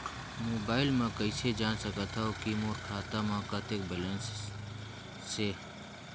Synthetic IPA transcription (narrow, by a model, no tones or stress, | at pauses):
moːbaːɪlmãkəɪsed͡ʒaːnsəkət̪ʰaokimoːɾkʰaːt̪amãːkat̪eːk̚belẽns | seː